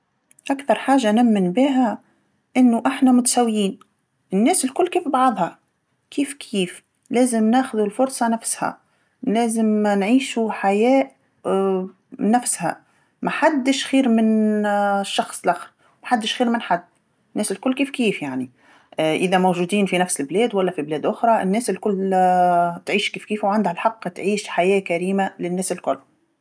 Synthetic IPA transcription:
ʔakθɑɾˤħaːʒanæmːɪnbiːɦæ | ʔɪnːʊʔɪħnæmʊt̪sæwːjiːn | ʔɪnːæːsɪlkʊlːkiːfbɑʕðˤhɑ | kiːfkʰiːf | læːzɪmnæːxʊðulfʊɾˤsˤɑnæfshæ̰ | læːzɪmnʕiːʃuħajæːʔ | nːæfshæ̰ | mæħad̪ːɪʃxiːɾmɪn | ʃːɑxsˤlʔæxɾ | mæħad̪ːɪʃxiːɾmɪnħad̪ː | ɪnːæːsɪlkʊlːkiːfkiːfjaʕni | ʔɪðæmowʒuːd̪iːnfinæfsɪlblɛːd̪wælːæfiblɛːd̪ʔʊxɾˤɑʔɪnːɛːsɪlkʊlː | t̪ʕiːʃkiːfkiːfwʕand̪hælħɑqːt̪ʕiːʃħajɛːkæɾiːmalɪnːæːsɪlkʊlː

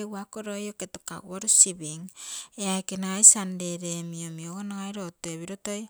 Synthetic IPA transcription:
ewakoɾojoketoka̰ɡuaɾusiβiŋeakenaajsande̞ɾemiomioɡonaŋajɾotoeβiɾotoj

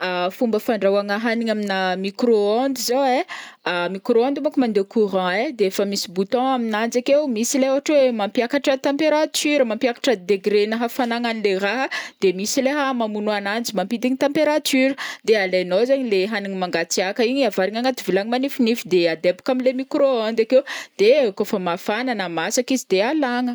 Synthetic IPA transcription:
afumbəfaɳɖ͡ʐawaŋəɦaniɲaminamikɾoond̪izoweamikɾoand̪umakumand̪ewkuɾɑ̃ed̪eefəmisibut̪ɔ̃aminand͡zakewmisileɦoɦaʈ͡ʂwemampjakaʈ͡ʂət̪ãmpeɾat̪yɾəmãmpʲiakḁʈ͡ʂəd̪eɡɾenəɦafanaŋanileraɦəd̪̥emisileɦəmamunuanand͡zimampid̪iɲit̪ãmpeɾat̪yɾəd̪ealenozaɲileɦaniɲimaŋɡat͡siakəiɲiavaɾiŋaŋat̪ivilaɲimanifinifid̪ead̪ebu̥kaminlemikɾoand̪akewd̪̥ekofəmafananəmasakizid̪ealaŋə

